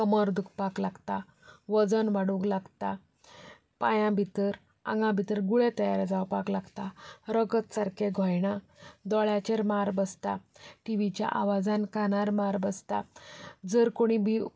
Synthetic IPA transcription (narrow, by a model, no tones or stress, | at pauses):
kəməɾd̪ukʰpaklaɡt̪a | ʋəd͡zənʋaɽuɡlaɡt̪a | pajãbʱit̪əɾ | ã̰ŋɡãbʱit̪əɾɡuɭet̪əjaɾd͡zawpaklaɡt̪aɾəɡət̪saɾkeɡʱɔjɳa | d̪ɔɭjat͡ɕeɾmaɾbəst̪aʈiʋit͡ɕja̰ʔa̰ʋad͡zankanaɾmaɾbəst̪a̰d͡zəɾkoɽ̃ibi